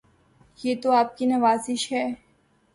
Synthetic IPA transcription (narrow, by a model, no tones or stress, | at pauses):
jeːt̪oaːp̚kinɐʋaːzɪʃɦɛː